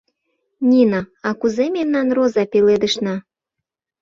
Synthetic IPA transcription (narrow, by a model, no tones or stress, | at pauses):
nʲinaɑkuzememnɑnrozɑpeled̪əʃnɑ